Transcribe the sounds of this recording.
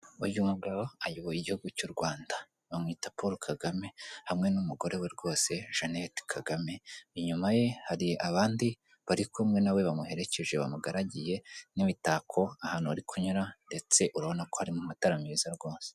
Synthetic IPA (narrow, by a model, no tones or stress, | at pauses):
βaɟumuβɡaβoajoβojiɟihuɡucuɾɡwaːnda | βamŋiːtapʰoɾokʰaɡame̞hamŋe̞numuɡo̞ɾe̞we̞ɾɡo̞ːse̞ʒ̥anetkʰaɡame̞iɲumaje̞haɾiʔaβaːndi | βaɾikʰomŋe̞nawe̞βamuhe̞ɾe̞ce̞ʒeβa̰muɡaɾaɟije̞niβitaːkʰo̞ahaːn̥uβaɾikʰuɲuɾande̞t͡se̞ʔuɾaβo̞nako̞haɾimumataɾamizaɾɡo̞ːnse̥